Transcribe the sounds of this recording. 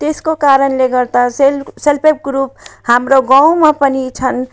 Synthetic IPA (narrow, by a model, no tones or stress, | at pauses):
t̪eskokaɾənleɡəɾt̪aselselpep̚ɡɾuphamɾoɡãw̃mepənit͡ʃʰən